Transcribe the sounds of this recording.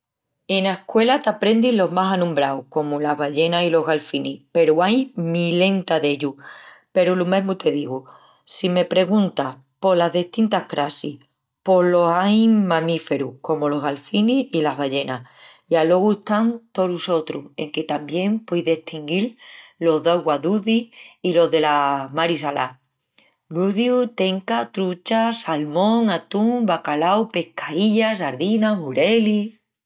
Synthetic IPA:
e̞naekwe̞lat̪apɾe̞nd̪iɦlo̞ɦmasanũmbɾawko̞mulaɦβaʎe̞nailo̞ɦɣalfinipe̞ɾuajmile̞nt̪aðe̞ʎupe̞ɾulume̞ɦmut̪e̞ðiɣu | sime̞pɾe̞ɣũnt̪a | po̞laɦðeht̪int̪ahkɾasih | po̞lo̞ɦajmãmife̞ɾuko̞molo̞ɦɣalfiniilaɦβaʎe̞najalo̞ɣueht̪ant̪o̞ɾuso̞t̪ɾṵe̞̰ŋke̞t̪ambje̞mpwo̞jðe̞ht̪iŋɡillo̞zðawɣwaðuðiilo̞ɦðe̞lamaɾis̬ala̰ | luðjut̪e̞ŋkat̪ɾut͡ʃasalmõŋat̪uŋbakalawpe̞hkʰaiʎas̬aɾðinaɦuɾe̞li

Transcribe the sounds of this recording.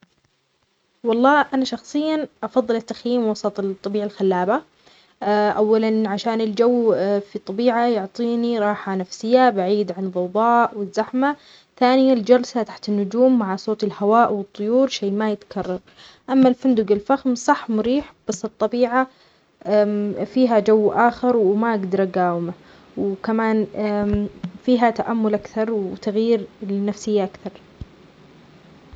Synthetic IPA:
wɑlˤːɑːʔanaʃɑxsˤɨjːaʔɑfɑðˤːɨlɪt̪ːaxjiːmwɑsˤɑt̪ˤt̪ˤːɑbiːʕalxalːaːba | ʔawːalanʕaʃaːnɪld͡ʒawːfit̪ˤːɑbiːʕajʊʕt̪ˤiːniɾˤɑːħanafsɪjːabaʕiːd̪ʕanðˤɑwðˤɑːʔwɪzːaħma | θaːnɪjald͡ʒɑlsat̪aħt̪ɪnːʊd͡ʒuːmːaʕasoːt̪ɪlhawaːʔwɨt̪ˤːʊjuːɾʃeːmajɪt̪kʰɑrˤːɑɾˤ | ʔamːalfand̪ʊɡɪlfaxmsˤɑħːmʊɾiːħb̥asːɨt̪ˤːɑbiːʕa | fiːɦad͡ʒawːʔaːxɪɾˤwmaʔaɡd̪ɑɾˤʔaɡaːwɪma | wkamaːn | fiːɦat̪aʔamːʊlʔakθɑɾˤwt̪aɣjiːɾlɪnafsɪjːaʔakθɑɾˤ

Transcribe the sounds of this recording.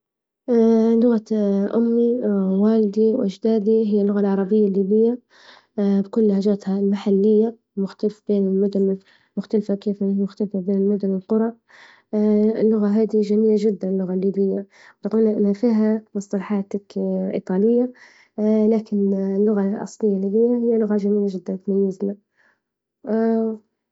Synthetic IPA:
lʊɣaʔʊmːiwaːlɪd̪iwʔaʒd̪aːd̪iɦɪjːalːʊɣalʕɑɾˤɑbɪjːalːiːbɪjːa | bkʊlːhaːd͡ʒaːt̪halmaħalːɪjːa | mʊxt̪alɪfbeːnɪlmʊd̪ʊn | mʊxt̪alfakeːfmʊxt̪alfabeːnɪlmʊd̪ʊnɪlqʊɾˤɑ | ɪlːʊɣaɦaːd̪iʒamiːlaʒɪd̪ːanɪlːʊɣalːiːbɪjːa | wt̪quːlnaʔɪnhafiːɦamɨsˤt̪ɑlɑħɑːt̪akʔḭt̪ˤɑːlɪjːa | laːkɪnlːʊɣaʔɑ̰sˤlɪjːalːiːbɪjːahɪjːalʊɣaʒamiːlaʒɪd̪ːant̪majːɪzna

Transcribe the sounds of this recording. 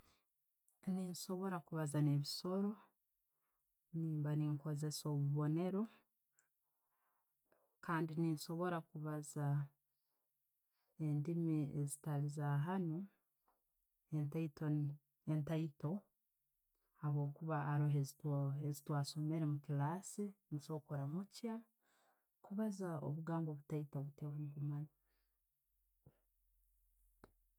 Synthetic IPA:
ninso̞βo̞ɾakuβazaneβiso̞ɾo̞ | niːmbaniŋko̞ze̞soβuβo̞ne̞ɾo̞ | kaːndininʃo̞βo̞ɾakuβaza | endimiezitalizaɦano | entaito | entaito̞ | haβo̞ːkuβaːɾoɦezitoezitwaːso̞meɾemukilaːsiniso̞koɾamuca | kuβazao̰βuɡaːŋɡoβutaitoβutewaniβumana

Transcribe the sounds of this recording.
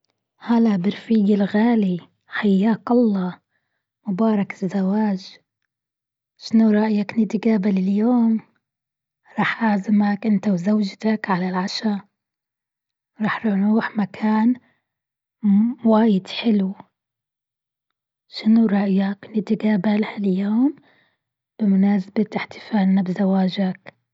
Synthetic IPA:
halaʔbɪɾfiːɡɪlɣaːli | ħajːaːkɑlˤːɑː | mʊbɑːɾˤɑkɪzːawaːʒ | ʃɪnuɾˤɑʔjaknɪd̪iɡaːbalɪljoːm | ɾˤɑːħʔaʕzɪmakʔɪnt̪awzawd͡ʒt̪akʕalalʕaʃa | ɾˤɑːħɾɪɾuːħmakʰaːn | waːjɪd̪ħɪlu | ʃɪnuɾˤɑʔjaknɪd̪iɡaːbalhaljoːm | b̥ɪmʊnaːsabat̪ɪħt̪ɪ̥faːlnabzawaːʒak

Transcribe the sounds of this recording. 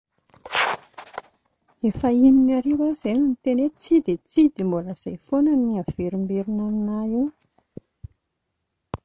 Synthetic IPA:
efəininaɾewazeninit̪enet͡sid̪et͡sid̪imboləz̥ajfonaniav̥eɾimbeɾinaninaiw

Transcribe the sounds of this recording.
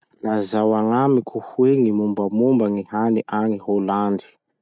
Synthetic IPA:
lazawaŋamikʰuhueŋimumbamumbaŋihaniʔaŋiholand̪i̥

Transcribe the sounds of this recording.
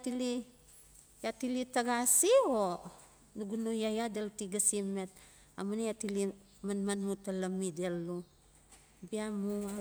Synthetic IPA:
tili | jatilitaɡasio | nuɡunujajadeltiɡasime̞t̚ | a̰munejatili | manmanmutalamide̞lːu | biamua

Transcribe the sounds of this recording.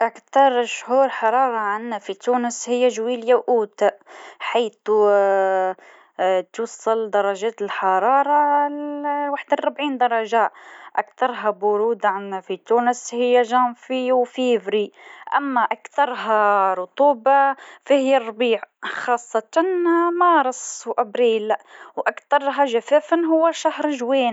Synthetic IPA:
ʔakt̪ɑɾˤʃhuːɾˤħɑɾˤɑːɾˤɑʕanːæfit̪uːnəshɪjːæʒwiːljawʔuːt̪aħajθu | t̪wɑsˤːɑld̪ɑɾˤɑʒæːt̪əlħɑɾˤɑːɾˤɑ | waħd̪rˤːʊbʕiːnd̪ɑɾˤɑʒæʔʔakt̪ɑɾˤɦabʊɾuːd̪ʕanafit̪uːnəshɪjːaʒɑnfiwfiːvɾiʔæ̰mːaʔakt̪ɑɾˤɦaɾˤʊt̪ˤuːbafihɪjːarˤːbiːʕxɑːsˤːɑt̪ɑnmɑːɾˤɑswʔæbɾiːlwʔakt̪ɑɾˤɦaʒafæːfɪnɦʊwːaʃahɾˤʒweːn

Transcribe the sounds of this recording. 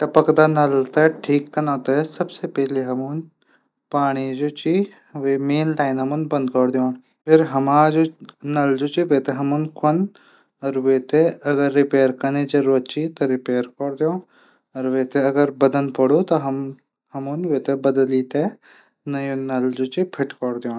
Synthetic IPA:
ʈɐpəkd̪anɐlt̪eʈʰiːkːɐnãːt̪ɐsɐbsepɛɦleɦɐmun | paːɽ̃id͡ʒoːt͡ʃi | ʋemeːnʈaːɪnɦɐmunbɐ̃nd̪̚kɔɽd̪jõːn | pʰɪɾɦɐmaːd͡ʒonɐld͡ʒot͡ʃiʋeːt̪eɦɐmunkʰon | ɔɾʋet̪eɐɡəɾːɪpeːɾkɐneːt͡ʃɐɾot͡ʃit̪ɐɾɪpeːɾkɔɾd̪jõː | ɔɾʋeːt̪eɐɡəɾbɐd̪ənpɐɽot̪ɐɦɐm | hɐmunʋeːt̪ebɐd̪əliːt̪e | nɐjõːnɐld͡ʒoːt͡ʃipʰɪʈkɔɾd̪jõː

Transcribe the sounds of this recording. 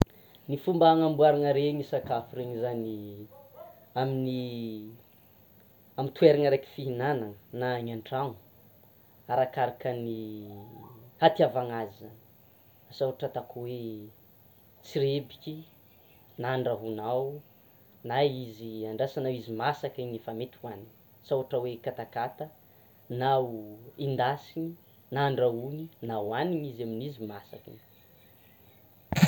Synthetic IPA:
nifumbaaŋambuaɾaŋəɾeɲisakafuɾeɲizani | amini | amint̪ueɾaŋəɾaki̥fiɦinanaŋənaɲaɳʈ͡ʂaŋu̥ | aɾakaɾakəni | hat̪iavaŋazə | asaɦaʈ͡ʂət̪akuwe | t͡siɾebikʲi | naɳɖ͡ʐaɦunaw | naiziaɳɖ͡ʐasanawizimasakiɲifamet̪iani | sawaʈ͡ʂəwekat̪akat̪ə | nauind̪asiɲi | naɳɖ͡ʐaɦuninawaniɲizaminizimasakḭn

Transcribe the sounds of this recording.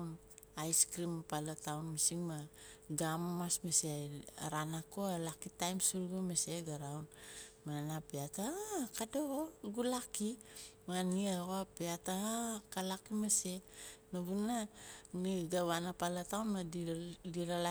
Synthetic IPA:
n | ajskɾimapalatawnmisiŋmaɡamamasmesḛɾanakoalakitajmsuɾɡomeseɡaɾawnmaanapeatakadooɡulakimaniaɣoapeataakalakimese̞naβunaniɡaβanapalatawnmadiɾala

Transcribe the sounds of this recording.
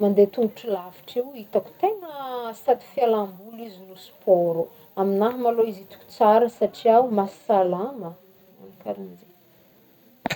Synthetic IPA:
mand̪et̪uŋɡuʈ͡ʂilavi̥ʈ͡ʂiwit̪aku̥t̪eŋəsat̪i̥fialambulizilusu̥pɔɾu | aminaɦmaloizit̪u̥ku̥t͡saɾəsaʈ͡ʂiawumasi̥salamə | a̰nkaɾinze

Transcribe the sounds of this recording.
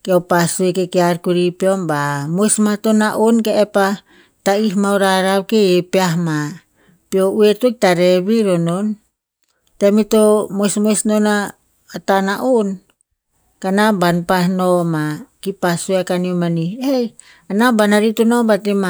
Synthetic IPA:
keopasuekekeaɾkuɾipeombamojsmatonaʔonkeepa | taihmawɾaɾawkeepeaɦma | piouetokitaɾeβiɾonon | temitomojsmojsnona | atanaʔon | kanabanpahnomakipasueakaniomaniej | anabanaɾitonobatema

